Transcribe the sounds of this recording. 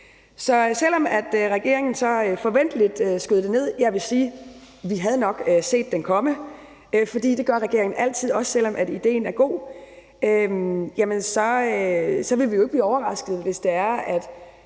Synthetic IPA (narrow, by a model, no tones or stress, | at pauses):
sɒ̽sel̰ɒ̽mæd̥ʁɛɡ̥e̝ɐe̝ŋn̩sɒ̽øfɒ̽ʋen̰d̥əlid̥øsɡ̥øð̞ˠd̥ene̝ð̞̰ˠjɑ̈ɪʋe̝siː | ʋiɦæð̞ˠnɒ̽ɡ̥øse̝̰ːd̥ːenkʰɒ̽mə | fɒ̽d̥ḭːd̥e̝ɡ̥ɶɐʁɛɡ̥e̝ɐeŋn̩æl̰t͡sʰið̰ˠɒ̽ssel̰ɒ̽mʔædid̥e̝̰ːnæɐɡ̥o̝̰ː | ømjæmənsɒ̽øsɒ̽ʋe̝ʋijoeɡ̥b̥liːɒʊɐʁɑ̈sɡ̥əð̩ˠʋe̝sd̥e̝æɐæd̥